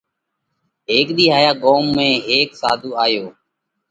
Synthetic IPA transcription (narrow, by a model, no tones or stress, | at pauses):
ɦeːkɗ̪iːɦaːjaːɠoːmːẽːɦeːksa̰ːd̪ʱuːaːjoː